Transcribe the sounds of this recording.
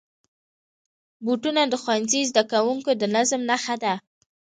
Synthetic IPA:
buʈunad̪əxwanzizd̪akawuŋkod̪ənazmnaxad̪a

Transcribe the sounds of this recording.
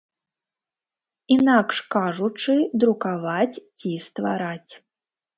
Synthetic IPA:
inakʂkaʐut͡ʂɨd̪ɾukavat͡sʲt͡sʲist̪vaɾat͡sʲ

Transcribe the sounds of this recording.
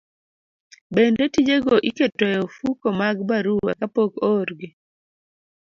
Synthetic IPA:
bendetid͡ʒeɡoʔiketɛjɔfukomaɡbaɾuwa̰kapokoɾɡi

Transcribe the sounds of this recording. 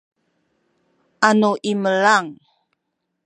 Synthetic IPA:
ʔanoʔiməlaŋ

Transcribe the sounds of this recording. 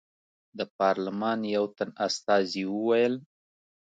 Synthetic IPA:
d̪əpɑɾlɪmɑnjawt̪anast̪ɑziwəwajəl

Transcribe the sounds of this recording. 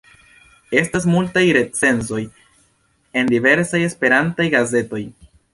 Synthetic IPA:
e̞stas̬multajɾe̞t͡se̞nzo̞j | e̞ndive̞ɾsaje̞spe̞ɾantajɡaze̞to̞j

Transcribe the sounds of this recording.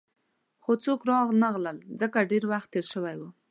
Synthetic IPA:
xot͡sokɾɑɣnəɣləlzəkaɖeɾwaxt̪ːeɾʃəwajwu

